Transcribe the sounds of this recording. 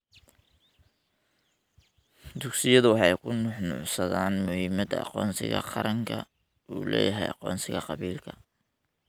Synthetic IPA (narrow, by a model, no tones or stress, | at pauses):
d̪ʊɡsɪjɐðʊwɑħɑjkʰʊnʊħnʊ̰ʕsɐðaːnmʊhɪmɐd̪ɐɑ̰qɔːnsɪ̰ɣɐ̰qɑɾɐŋkʰɐ | ʔuːlɛ̰ːjɐɦɛjʔɑqɔːnsɪɣɐqɑβiːlkʰɐ̥